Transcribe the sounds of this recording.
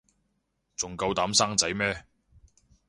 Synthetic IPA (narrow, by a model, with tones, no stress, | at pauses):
t͡sʊ˨ŋkɐ˧wt̪aː˨˥msaː˥ŋt͡sɐ˨˥jmɛː˥